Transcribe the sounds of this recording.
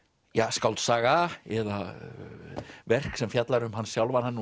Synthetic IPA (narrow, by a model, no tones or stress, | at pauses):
jaːskawlt̪saːɣaɛða | vɛr̥ksɛmfjat̪laɾʏmhanːsjawlvanhanː